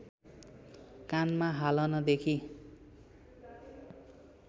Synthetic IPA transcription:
kanmaɦalʌnʌd̪ekʰi

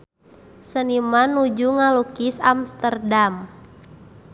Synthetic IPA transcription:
sənimanud͡ʒuŋalukisamst̪ərdam

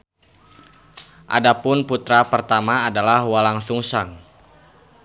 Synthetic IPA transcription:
ʔa̰dapʊnput̪ɾapərt̪amaːdalahwalaŋsuŋsaŋ

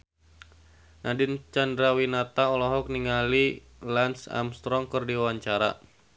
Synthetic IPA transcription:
nʔadɪnt͡ʃandɾawinat̪aɔlɔɦɔk̚niŋali | lansa̰mst̪ɾɔŋkɨrdiwawaɲt͡ʃaɾa̰

